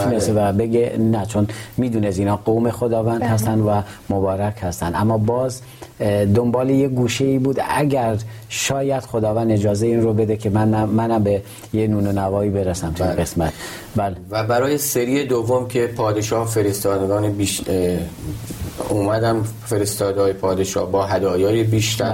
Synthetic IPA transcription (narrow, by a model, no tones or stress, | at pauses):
ʃnessevæbe̞ɡenæt͡ʃʰonmiːd̪uːnesiːnɒːɡowme̞xod̪ɒːvænd̪̥hæs̬t̪ænd̪væmobɒːɾækʰhæst̪ænd̪ʔæmːɒːbɒːz | d̪ombɒːlejeɡuːʃe̞iːbuːd̪æ̰ɟæɾ | ʃɒːjæd̪̥xod̪ɒːvænd̪e̞d͡ʒɒːzeiːnɾrobe̞d̪ekʰe̞mæmːænæmbe | jenuːnonævɒːiːbe̞ɾæsæmt̪ʰuinɡe̞smæt̪ʰ | bælevæbæɾɒːjeseɾiːed̪ovːomkʰe̞pʰɒːd̪eʃɒːhfeɾest̪ɒːd̪eɡɒːnebiʃ | uːmæd̪æm | feɾest̪ɒːd̪ɒːjepʰɒːd̪eʃɒ̰ːhbɒːɦæd̪ɒːjɒːjebiːʃt̪ʰæɾ